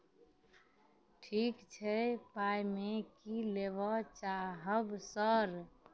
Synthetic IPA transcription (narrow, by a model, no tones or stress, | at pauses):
ʈʰiːkt͡ʃʰɛpajmekileʋɔt͡ʃaɦəbsəɾ